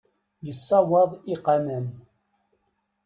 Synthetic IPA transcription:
jəsːɑwɑðˤiqɑnən

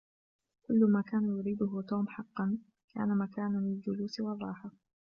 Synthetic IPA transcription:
kʊlːʊmaːkaːnajʊɾiːd̪ʊɦʊt̪uːmħɑqːɑn | ka̰ːnamakaːnanɪld͡ʒʊluːsɪwɑrˤːɑːħɪ

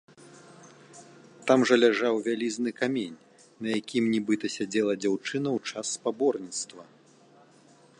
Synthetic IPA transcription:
t̪amʐɐlʲaʐawvʲalʲiznɨkamʲenʲ | nɐjakʲimnʲibɨt̪ɐsʲad͡zʲɛlˠɐd͡zʲawt͡ʂɨnɐwt͡ʂasːpabɔrnʲit̪st̪vɐ

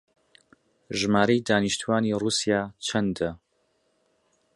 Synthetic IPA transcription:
ʒmaːɾɐjd̪aːniʃt̪ʰuwaːniːruːsijaːt͡ʃʰɐnd̪ɐ

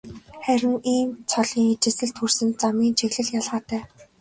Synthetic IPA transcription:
χæɾʲɪ̆ŋiːmt͡sʰɔɮiːŋit͡ɕɪ̆sɘ̆ɮt̪xursɘ̆nt͡samiːnt͡ɕʰeɣɮɘ̆ɮjaɮʁaːt̪æː

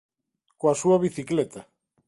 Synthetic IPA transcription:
koasuaβiθiklɛt̪a

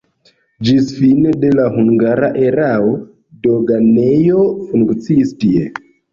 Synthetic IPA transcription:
d͡ʒisfinede̞laɦuŋɡaɾaʔe̞ɾao | do̞ɡane̞jo̞fuŋkt͡siːstie̞

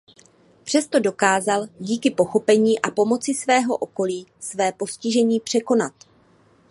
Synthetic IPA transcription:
pr̥ɛst̪o̞do̞kaːzalɟiːkɪpo̞xo̞pɛɲiːʔapo̞mo̞t͡sɪsvɛːɦo̞̰ʔo̞ko̞liːsvɛːpo̞scɪʒɛɲiːpr̥ɛko̞nat̪̚

